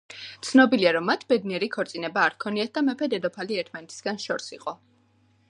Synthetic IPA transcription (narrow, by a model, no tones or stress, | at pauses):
t̪sʰnɔbiliaɾɔmːat̪ʰbɛd̪niɛɾikʰɔɾt̪sʼinɛbaːɾkʰɔniat̪̚ʰd̪amɛpʰɛd̪ɛd̪ɔpʰaliɛɾt̪ʰmanɛt̪ʰi̥sɡanʃɔɾsiqʼɔ